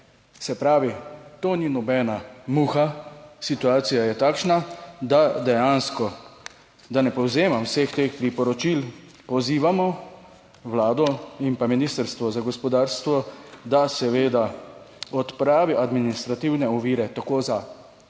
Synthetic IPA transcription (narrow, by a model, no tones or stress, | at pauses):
sɛpɾaːʋit̪oːninɔbɛːnamuːxasit̪uaːt̪sijajɛt̪aːkʃnad̪ad̪ɛjanskɔ | d̪anɛpɔwzeːmawsext̪eːxpɾipɔɾɔt͡ʃil | pɔziːʋamɔ | wlaːd̪ɔimpaminist̪əɾst̪ʋɔzaɡɔspɔd̪aːɾst̪ʋɔd̪asɛʋeːd̪a | ɔt̪pɾaːʋiʔad̪minist̪ɾat̪iwnɛɔʋiːɾɛt̪akoːza